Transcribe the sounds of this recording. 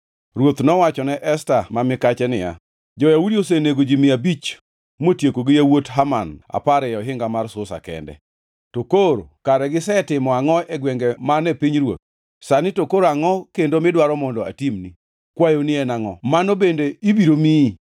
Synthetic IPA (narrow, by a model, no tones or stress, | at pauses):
rwot̪nɔwat͡ʃɔnɛʔɛstamamɪkat͡ʃɛnɪja̰ | d͡ʒɔjawudios̬eneɡod͡ʒimɪabit͡ʃ | motjekoɡɪjawotɦamana̰paɾɛjɔɦɪŋɡamarsʊsa̰kɛ̰ndɛ̰ | tokoɾokaɾɛɡɪsɛtɪmɔaŋɔɛɡwɛŋɡɛmanɛpiɲrwo̰t̪̚ | sanɪtokoɾaŋɔkendomɪdwaɾɔmɔndɔa̰timni | kwajonɪɛnaŋɔmanobendeibiɾomi